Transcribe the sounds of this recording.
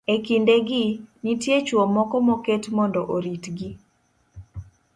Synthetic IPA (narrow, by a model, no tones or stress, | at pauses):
ekindeɡɪnitjet͡ʃwɔmɔkɔmɔketmɔndɔʔoɾitɡi